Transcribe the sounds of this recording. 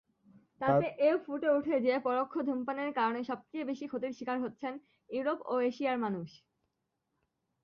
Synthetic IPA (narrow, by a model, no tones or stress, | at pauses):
t̪aeʔeofuʈeuʈʰed͡ʑeepɔɾokʰːod̪ʱumpaneɾkaɾoneʃɔb̚t͡ɕebeʃikʰot̪iɾʃikaɾɦotːɕʰen | juɾopoeʃiaɾmanuʃ